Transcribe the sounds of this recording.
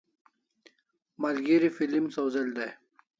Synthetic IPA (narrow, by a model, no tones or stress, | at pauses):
mɐlɡiɾifilimsowzeld̪aj